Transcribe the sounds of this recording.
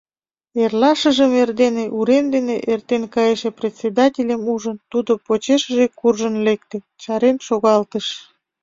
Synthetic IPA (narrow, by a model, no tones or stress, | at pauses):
erlɑʃəʒəmerd̪eneʔuɾend̪eneʔert̪enkɑjeʃeprʲet̪ʲt͡sʲed̪ɑtʲelʲemuʒənt̪ud̪opot͡ɕeʃəʒekurʒənlek̚t̪e | t͡ɕɑɾenʃoɣɑlt̪əʃ